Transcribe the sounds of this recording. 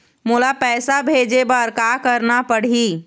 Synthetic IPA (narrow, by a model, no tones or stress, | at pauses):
mulapɛːsabʱed͡ʒebəɾkakəɾnapəɽ̤i